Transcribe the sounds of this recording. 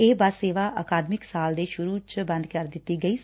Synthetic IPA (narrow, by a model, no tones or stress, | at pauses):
eːbaseːʋaːʔaːkaːd̪mɪksaːld̪eːʃʊɾuːt͡ʃbə̃nd̪kəɾd̪ɪt̪ːiːɡəiː